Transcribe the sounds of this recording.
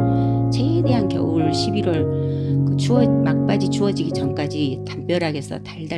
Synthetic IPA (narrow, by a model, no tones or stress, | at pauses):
t͡ɕede̞ɦankjʌ̰uɭɕʰibiɾwʌɭkɯt͡ɕuʌmak̚p͈ad͡ʑit͡ɕuʌd͡ʑiɡit͡ɕʌmk͈ad͡ʑitamp͈jʌɾɦaɡe̞sʰʌ̰taɭda